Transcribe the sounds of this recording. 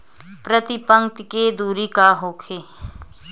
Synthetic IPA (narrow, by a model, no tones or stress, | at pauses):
pɾət̪ɪpə̃ŋt̪ked̪uːɾikaɦoːkʰeː